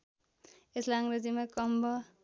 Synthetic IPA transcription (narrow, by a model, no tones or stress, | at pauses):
eslaaŋɾʌd͡zimakʌmbʌ